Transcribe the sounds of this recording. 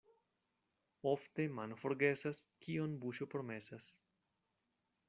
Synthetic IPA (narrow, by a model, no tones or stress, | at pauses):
ofte̞manfoɾɡe̞saskionbuʃopɾome̞sas